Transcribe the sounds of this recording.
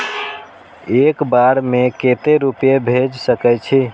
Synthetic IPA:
ekbaɾmeket̪eɾupjebʱed͡ʒsəkɛt͡ʃʰi

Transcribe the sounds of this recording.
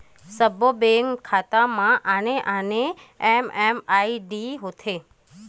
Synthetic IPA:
səbobeŋkʰːat̪amãʔaneʔaneememaiɖiɦot̪ʰe

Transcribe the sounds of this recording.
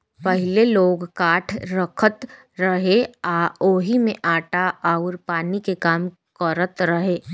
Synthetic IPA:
pɐɦɪleloːɡkaːʈʰɾəkʰət̪ | ɾɐɦeaːoːɦimẽʔaːʈaaːʊɾpaːnikekaːm | kəɾət̪ɾɐɦeː

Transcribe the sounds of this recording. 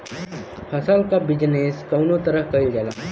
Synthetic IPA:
pʰɐsalkabɪd͡ʒneːskɐwnot̪əɾəɦkɐild͡ʒaːla̰

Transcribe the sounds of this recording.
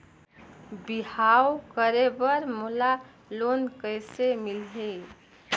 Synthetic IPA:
biɦawkəɾebəɾmula | lonkəjsemilɦe

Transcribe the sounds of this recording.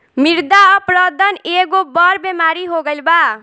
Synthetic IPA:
miɾd̪aʌpɾʌd̪ʱʌneɡobʌɾbemaɾiɦoɡʌlba

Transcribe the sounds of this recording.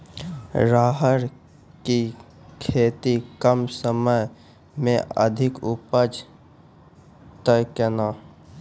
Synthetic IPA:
ɾaːɦəɾ | ki | kʰeːt̪ikəmsəməj | mẽə̰d̪ʱɪkʊpəd͡ʒ | t̪əjkənaː

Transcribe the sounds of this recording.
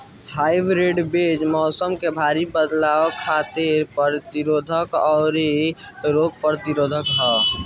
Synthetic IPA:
haːɪbɾeɖbed͡ʒmɔːsəmkebʱaɾibəd̪lawkʰaːt̪eɾpəɾt̪iɾoːd̪ʱəkɔːɾeɾoːɡ̚pəɾt̪iɾoːd̪ʱəkɦɛ

